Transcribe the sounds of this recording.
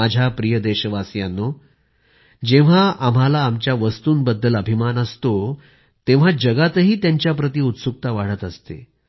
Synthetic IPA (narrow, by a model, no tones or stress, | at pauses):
ad͡ʑʱjapɾijəd̪eɕəʋasjanːo | d͡ʑeʋ̤aʔam̤alaːmt͡ɕjaʋəst̪uːnbəd̪ːələbʱimanəst̪o | t̪eʋ̤ad͡ʑəɡat̪əɦiːt̪jaɲt͡ɕjapɾət̪iːut̪suk̚t̪aʋaɽ̤ət̪əst̪ḛ